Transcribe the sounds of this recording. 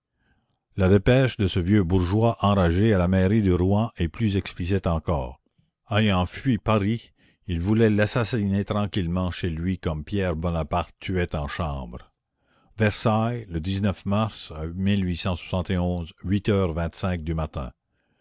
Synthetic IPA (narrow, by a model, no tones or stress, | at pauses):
lad̪epɛʃd̪əsəvjøbuʁʒwaʔɑ̃ʁaʒealamɛʁid̪əʁuɛ̃ʔeplyzɛksplis̬it̪ɑ̃kɔ̰ːʁ | ajɑ̃fɥipaʁi | ilvulɛlasasinet̪ʁɑ̃kʲilmɑ̃ʃelɥikɔmpjɛʁbɔnapaʁt̪ːyɛt̪ɑ̃ʃɑ̃ːbʁ | vɛʁsajləd̪iznœfmaʁsamilɥisɑ̃swḁsɑ̃t̪eɔ̃zɥit̪œːʁvɛ̃t̪sɛ̃k̚d̪ymat̪ɛ̰̃